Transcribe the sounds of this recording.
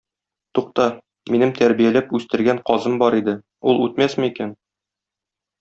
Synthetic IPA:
t̪uq̚t̪ɑ | minɘmt̪ʰæɾbijælæpʉst̪ɘ̆ɾɡæɴqɒzɤmbɒɾid̪ɘ | ulˠʉt̪mæsmɘikæn

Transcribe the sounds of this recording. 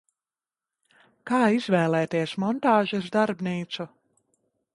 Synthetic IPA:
kaːizvɛːlˠɛːt̪iɛsmɔnt̪aːʒɛzd̪aɾbniːt̪su

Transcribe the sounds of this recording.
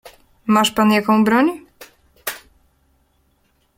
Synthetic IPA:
maʂpanjakɔ̃w̃bɾɔɲ

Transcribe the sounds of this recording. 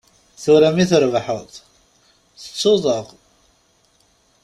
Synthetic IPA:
θuɾæmiθəɾˤvħət̪ˤ | θə̥t͡sːʊðˤəq

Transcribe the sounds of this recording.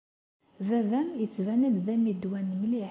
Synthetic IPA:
vævæmjət͡sːvænæd̪ðæmid̪wænːmli

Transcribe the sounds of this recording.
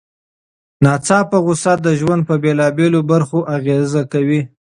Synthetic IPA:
nɑt͡sɑpəɣʊsat̪̚d̪əʒwand̪̚pəbelɑbelobaɾxoʔaɣezakawi

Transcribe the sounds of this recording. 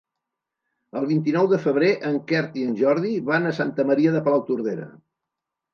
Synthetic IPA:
əlˠβ̞int̪̬inɔwðəfəβ̞ɾeʔəŋkɛɾt̪iənʲʒɔɾðiβanəsant̪əməɾiəðəpəlawt̪uɾðeɾə̰

